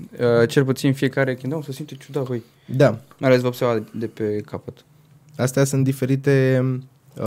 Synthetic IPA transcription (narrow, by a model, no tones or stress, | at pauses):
ət͡ʃe̞lput̪sinfije̞kaɾekʲind̪aosəsimt̪et͡ʃud̪avoj | d̪amajalesvəbservad̪e̞pe̞kʰapət̪ | ast̪easunt̪d̪ife̞ɾit̪e̞